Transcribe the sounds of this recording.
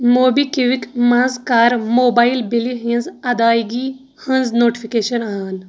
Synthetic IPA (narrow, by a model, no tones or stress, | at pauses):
moːbikiʋikmɐ̃nzkaːɾmoːbaːilbiliɦĩnzɐd̪aːiɡi | hənznoːʈi̥fʰikeːʃɐnaːn